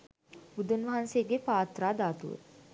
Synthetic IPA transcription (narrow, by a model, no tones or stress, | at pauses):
bud̪unʋɐɦanseːɡepaːt̪ɾaːd̪aːt̪ṵʋə̰